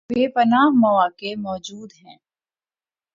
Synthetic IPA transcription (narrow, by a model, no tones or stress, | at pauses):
beːpɐnaːɦmɐʋaːkemɔːd͡ʒuːd̪ɦɛ̃ː